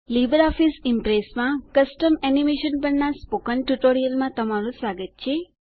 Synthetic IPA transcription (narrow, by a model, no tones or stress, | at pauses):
libəɾɔfisimpɾesmãkəsʈəmɛnimeʃənpəɾnaspokənʈuʈoɾijəlmãt̪əmaɾũsʋaɡət̪̚t͡ʃʰe